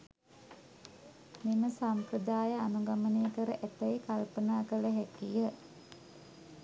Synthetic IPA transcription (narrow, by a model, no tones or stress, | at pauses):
miməsamprəd̪aːjəanuɡaməneːkəɾəʔæt̪əjekalpənaːkələɦɛkijə